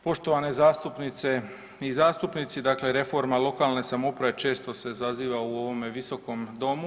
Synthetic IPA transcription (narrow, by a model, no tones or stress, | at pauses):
po̞ʃt̪oʋane̞zaːst̪upnit̪se̞ | izaːst̪upnit̪sid̪akle̞ɾe̞fo̞ɾmalˠo̞kaːlˠne̞samo̞pɾaʋe̞t͡ʃe̞ːst̪o̞se̞zaziːʋauo̞ʋo̞meʋiso̞ko̞md̪o̞mu